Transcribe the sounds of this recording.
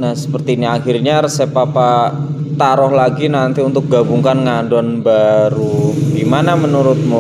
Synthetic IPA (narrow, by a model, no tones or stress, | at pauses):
nahsə̥pərt̪iːniaxirɲarəsepapat̪aɾɔhlaɡinant̪iunt̪ʊk̚ɡabuŋkanŋandɔnbaɾuɡimanamənuɾʊt̪̚mɔ